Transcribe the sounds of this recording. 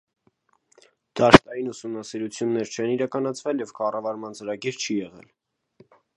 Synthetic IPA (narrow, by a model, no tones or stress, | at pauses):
d̪̥ɑʃt̪ɑjinusumnɑsiɾut͡sʰjunːɛɾt͡ʃʰɛniɾɑkɑnɑt͡sʰvɛljɛvkɑrɑvɑɾmɑnt͡səɾɑɡiɾt͡ʃʰijɛʁɛ̰l